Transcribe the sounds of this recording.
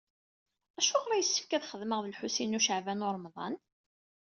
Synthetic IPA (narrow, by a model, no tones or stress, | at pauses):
æʃuʁɾˤɑjəsːə̥fkæðχəðməʁðəlħusinuʃəʕvænʊɾˤmðˤɑ̰n